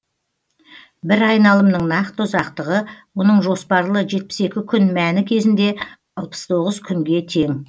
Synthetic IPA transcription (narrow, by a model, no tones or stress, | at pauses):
bɪɾɑjnɑlˠəmnəɴnɑqt̪əzɑqt̪əʁəwonəɴʒo̞spɑɾlˠəʒe̞t̪̚pɪ̥se̞kʲɪkʲʰʏnmænɪkʲʰe̞zɪnd̪e̞ | ɑlˠpə̥st̪ʰo̞ʁəzkʲʰʏŋɡʲe̞t̪ʰe̞ŋ